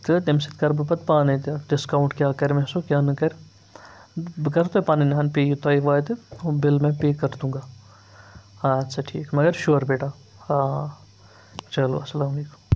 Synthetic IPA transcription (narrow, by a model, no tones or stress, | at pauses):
t̪ɨd̪emsɪt̪kɐɾbɐpɐt̪̚paːnit̪ɖɪskaːw̃ɳʈkʲjaːkɐɾmɛ̃sokʲjaːnɐkɐɾ | kɐɾt̪oepaːninaːnpeːjut̪aːiʋaːjt̪ɨobɪlmɛ̃peːkɐɾd̪ũːŋɡaː | at̪sɐʈʰḭːkmɐɡɐɾʃoːɾbeːʈaː | t͡ʃɐlo̰ɐsɐlaːmɐleːku̥m